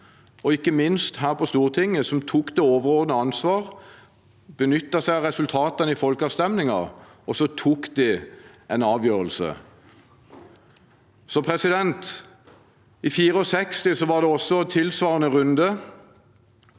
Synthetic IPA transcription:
ɔɪkːəmɪnst̪hæːʁpʰɔst̪uːʁt̪ʰɪŋːəsɔmt̪ʰuːkd̪ɛoːʋəʁoːnəɑnsʋɑːʁ | b̥ənʏt̪ːɑsæɪɑʁɛsʉlt̪ʰɑːt̪ɑnəɪfɔlkɑːʋst̪ɛmnɪŋɑʁ | ɔsɔt̪ʰuːkd̪ɪʔɛnɑːʋjøːʁəlsə̰ | sɔpʰʁɛsɪd̪ɛnt̪ | ɪfiːʁəɔsɛkst̪ɪsɔʋɑʁd̪ɛɔsːɔt̪ʰɪlsʋɑːʁənəʁʉnd̪ə

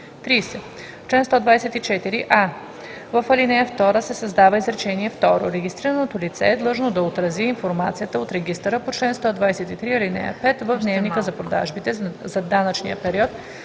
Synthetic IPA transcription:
t̪ɾiːsɛ | t͡ʃlɛnst̪ɔd̪vajsɛt̪it͡ʃɛt̪iɾiʔa | vəfɐlinɛjəft̪ɔɾəsɛsɐzd̪avəizɾɛt͡ʃɛniɛft̪ɔɾo̰ɾɛɡʲist̪ɾiɾənot̪olit̪sɛ̰ːd̪lˠɤʒnod̪ɐot̪ɾɐziinfoɾmat̪sijət̪əot̪ɾɛɡʲist̪əɾəpot͡ʃlɛnst̪ɔd̪vajsɛt̪it̪ɾiɐlinɛ̰jə̰pɛt̪vəvd̪nɛvnikəzɐpɾod̪a̰ʒbit̪ɛzɐd̪anət͡ʃniəpɛɾiɔt̪

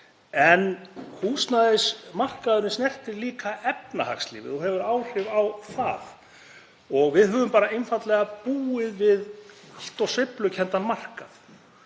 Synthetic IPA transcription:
ɛnkʰuːsnaðɪsmar̥kaðʏɾnɪsnɛr̥t̪ɪɾliːkʰaʔɛpnaha̰kslḭːvɪ̰ðɔɦɛvʏɾaːwr̥ɪvawθa̰ð | ɔɣvɪðɦœːvʏmpaːɾaɪnfat̪lɛɣapuːɪðvɪð | al̥t̪ɔɣsvɪplʏcʰɛnt̪anmar̥kaθ

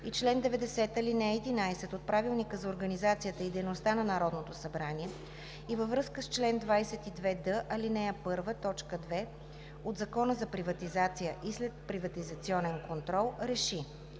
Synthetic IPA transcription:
it͡ʃlɛnd̪ɛvɛd̪ɛsɛt̪ɐlinɛːd̪inajsɛt̪ot̪̚pɾavilˠnikəzɐoɾɡɐnizat̪sijət̪əid̪ɛjnost̪anɐnɐɾɔd̪not̪osɐbɾaniɛ | ivəvɾɤskəst͡ʃlɛnd̪vajsɛt̪id̪vɛd̪ɤʔɐlinɛjəpɤɾvət̪ɔt͡ʃkəd̪vɛ | od̪zɐkɔnəzɐpɾivɐt̪izat̪sijəʔislɛt̪̚pɾivɐt̪izɐt̪siɔnɛnkont̪ɾɔlˠɾɛʃi

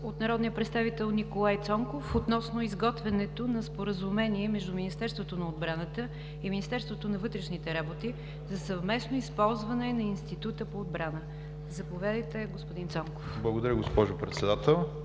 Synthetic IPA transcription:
ot̪nɐɾɔd̪nijəpɾɛt̪st̪avit̪ɛlˠnikolˠajt̪sɔŋkofot̪nɔsnoizɡɔt̪vɛnɛt̪onɐspoɾəzumɛniɛmɛʒd̪uminist̪ɛɾst̪vot̪onɐod̪̚bɾanət̪ə | iminist̪ɛɾst̪vot̪onɐvɤt̪ɾɛʃnit̪ɛɾabot̪i | zɐsəvmɛsnoispɔlˠzvɐnɛnɐinst̪it̪ut̪əpoːd̪̚bɾanə | zɐpovʲjad̪əjt̪ɛɡospʊd̪int̪sɔŋkofblˠəɡod̪ɐɾʲəɡospɔʒʊpɾɛt̪sɛd̪at̪ɛlˠ

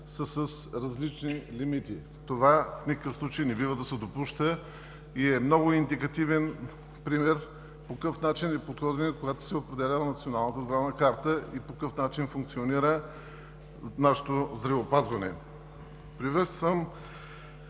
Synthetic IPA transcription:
səsəsɾɐzlit͡ʃnilimit̪i | t̪ovafnʲikəkəfslˠut͡ʃejnɛbivəd̪ɐsɛd̪opuʃt̪ə | iɛmnɔɡʊind̪ikɐt̪ivɛn | pɾimɛɾ | pokɤfnat͡ʃinɛpot̪xɔd̪vɛnɛkoɡat̪o̥sɛopɾɛd̪ɛlʲanɐt̪sionalˠnət̪əzd̪ɾavnəkaɾt̪əipokɤfnat͡ʃinfuŋk̚t̪sioniɾə | naʃɛ̥t̪ozd̪ɾɐvoːpazvɐnɛ̰ | pɾivɛt̪st̪vəm

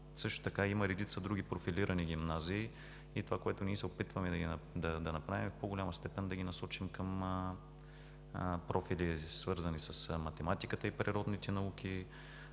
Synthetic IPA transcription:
sɤʃt̪ʊ̥t̪ɐkaiməɾɛd̪it̪sɐd̪ɾuɡʲipɾofiliɾəniɡʲimnaziː | it̪ovakoɛt̪ʊniɛsɛopit̪vəmɛd̪ɐɡid̪ɐd̪ɐnɐpɾavimfpoɡʊlʲamɐst̪ɛpɛnd̪ɐɡʲinɐsɔt͡ʃimkəm | pɾʔɔfilisvɤɾzɐnisɐsmɐt̪ɛmat̪ikət̪əipɾiɾɔd̪nit̪ɛnɐukʲi

